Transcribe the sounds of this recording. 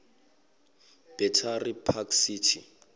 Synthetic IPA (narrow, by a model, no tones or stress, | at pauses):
b̥ɛtʰaripʰakʰsiːtʰi